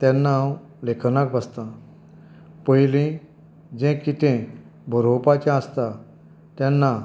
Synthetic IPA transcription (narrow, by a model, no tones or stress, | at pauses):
t̪ɛ̃nːaw | lekʰnakbəst̪ã | pəjlĩ | d͡ʑɛ̃kit̪ʰẽ | bʱəɾopat͡ɕãəst̪a | t̪jɛnːa